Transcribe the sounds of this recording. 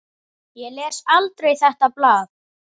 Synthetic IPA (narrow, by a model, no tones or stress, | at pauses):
jɛlɛːsalt̪ɾejθɛht̪aplaːð